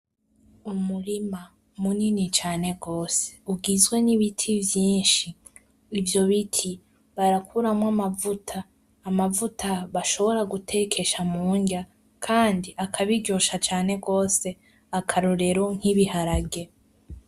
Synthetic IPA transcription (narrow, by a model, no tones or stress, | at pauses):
umuɾima | muninit͡ʃaːne̞ɡo̞ːse̥uɡizɡwe̞niβitʰivjiːnʃiː | vjo̞βitʰi | βaɾakʰuɾamwamavutʰaː | mavutʰaβaʃo̞βo̞ɾaɡutʰe̞kʰe̞ʃamuːɲɟa | kʰaːndiʔakʰaβiɟoʃat͡ʃaːne̞ɡo̞ːse̞ | akʰaɾoɾe̞ɾoŋ̥hiβihaɾaɡe̞